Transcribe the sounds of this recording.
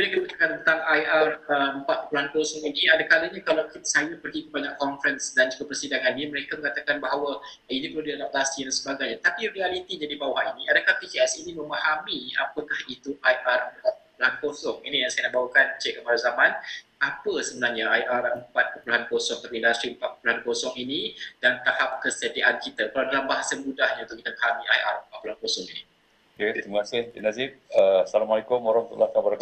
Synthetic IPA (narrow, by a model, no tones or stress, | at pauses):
ujakit̪əpət̪akant̪əət̪aŋajarəəmpat̪̚pəpuluhankosɔŋiniadakaləɲakalawkisajapərɡikəbaɲaʔkɔnfɾɛnsdand͡ʒuɡapərsidaŋaniniməɾekaməŋat̪akanbaɦawa | inipəludidadap̚tlast̪idansəbaɡajɲat̪apirialit̪iɲadibawahiniadakahpikiɛsinimə̃mahamia̰pəkahit̪uʔajʔarəpat̪̚kəpuluhankosɔŋinijaŋsajənaʔbaukant͡ʃekəpaɾazamãn | apəsəbənarɲaʔajʔarəmpat̪̚pəpuluɦankosɔŋt̪apiindast̪ɾiəmpat̪̚pə̥puluhankosɔŋinidant̪ahap̚kəsətiʔankit̪akəlawdalambaɦasamudahɲãunt̪ʊkit̪əmaɦamiʔajʔa̰rəmpat̪̚puluhankosɔŋini | oket̪ɾimakasɪhdinaziəsalamalekʊmoɾɔŋt̪ṵlahkabəɾa